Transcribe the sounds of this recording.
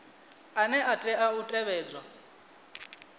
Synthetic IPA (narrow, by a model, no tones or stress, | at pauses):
anɛʔatʼɛautʼɛβɛːd͡zwa